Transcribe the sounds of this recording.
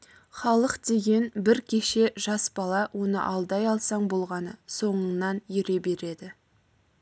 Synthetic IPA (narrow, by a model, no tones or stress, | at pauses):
χɑlˠəqd̪̥e̞ɡʲe̞nbɪɾkʲʰe̞ʃe̞ʒ̥ɑsbɑlˠɑwʔo̞nə̰ʔɑlˠd̪ɑjɑlˠsɑɴbo̞lˠʁɑnə̰so̞ɴənɑnjɪɾe̞be̞ɾe̞d̪ɪ